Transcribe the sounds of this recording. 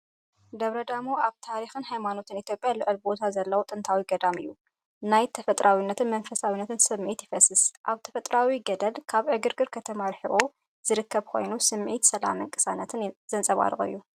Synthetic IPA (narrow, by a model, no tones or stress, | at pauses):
d̪ɐβɾɐd̪amoaβt̪ʰaɾixɨnhajmano̞t̪ʰɨnit̪ʰjo̞pʼjalɨʕɨlbo̞t̪ʰazɐlːɐwot̪ʼɨnt̪ʰawiɡɐd̪amɨjːu | najt̪ʰɐfɐt̪ʼɾʔawinːɐt̪ʰɨnmɐnfɐsawinːɐt̪ʰɨnsɨmʕit̪jɪfɐsɨsʔaβt̪ʰɐfɐt̪ʼɾawiɡɐd̪ɐlkʰaβʕɨɡɨɾɡɨɾkʰɐt̪ʰɐmaɾħɨʔu | z̥ɨɾɨkʰːɐβkʰo̞jnusɨmʕit̪sɐla̰mɨŋkʼɨ̥sanɐt̪ʰɨnz̥ɐnt͡sʼɐβa̰ɾɨɣ̰ʼɨ̰jːu